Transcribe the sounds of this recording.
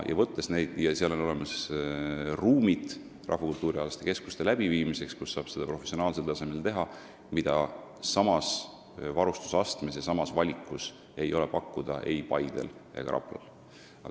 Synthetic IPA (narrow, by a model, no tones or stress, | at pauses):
jʔɑ̰vɤt̪ːe̞sne̞jd̪̥jɑseɑlo̞no̞lemɑs | ruːmit̪ˑ | rʔɑ̰hvɑkult̪ːˑuːɾiɑlɑst̪eke̞sku̥st̪e̞læb̥iviːmise̞kskusːɑːb̥se̞d̪̥ɑpro̞fesio̞nɑːlselt̪ɑsemelt̪e̞ɦɑ | mid̪̥ɑ | sɑmɑs | vɑɾust̪u̥sɑst̪mesjɑsɑmɑsvɑlʲikˑːus | e̞jo̞le̞pɑkːud̪̥ɑʔe̞̰jpɑjd̪̥e̞̰lḛɡɑɾʔɑ̰plɑ̰l | ɑ̰